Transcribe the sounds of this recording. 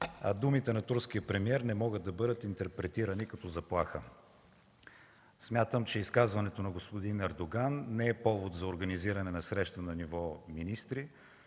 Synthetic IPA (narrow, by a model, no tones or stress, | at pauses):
ɐ̰d̪umit̪ɛnɐt̪uɾsk̟ijəpɾɛmiɛɾnɛmɔɡəd̪̚d̪ɐbɤd̪ət̪int̪ɛɾpɾɛt̪iɾənikɐt̪ɔzɐplˠaxə | smʲjat̪əmt͡ʃɛiskazvɐnɛt̪onɐɡospod̪inɐɾd̪oɡanːɛɛpɔvot̪zɐoɾɡɐniziɾɐnɛnɐsɾɛʃt̪ənɐnivɔminist̪ɾi